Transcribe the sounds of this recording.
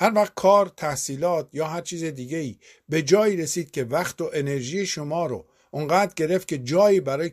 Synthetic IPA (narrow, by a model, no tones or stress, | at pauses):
hæɾvæχt̪̚kʰɒːɾt̪ʰæhsiːlɒːt̪ʰjɒːɦæɾt͡ʃʰiːzed̪iːɡe̞iː | be̞d͡ʒɒːjiːɾe̞siːd̪̥̚cʲʰe̞væxt̪oʔene̞ɾʒiːjeʃo̞mɒːɾo̰ | ʔoŋɢæːd̪ɟe̞ɾe̞ft̪̚cʰʲe̞d͡ʒɒːjiːbæɾɒːje